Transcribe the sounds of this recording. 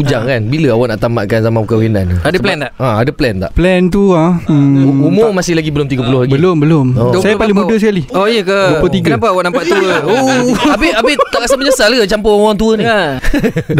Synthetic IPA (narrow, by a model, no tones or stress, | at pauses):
ud͡ʒaŋkanbiləawaʔnaʔt̪amaʔkanzamãpukawena̰nadəplɛnt̪aaadəplɛnt̪a̰ʔplɛnt̪ua | umomasɪhlaɡibəlʊmt̪iɡəp̬ulʊhlaɡiəlombəlomodsajapalimmũdəs̬əkaliɔjəkəbpət̪iɡəanapawaʔnampaʔt̪uəoabɪabɪt̪aʔkasabəɲəsalaɡət͡ʃampəawaŋt̪̬uəni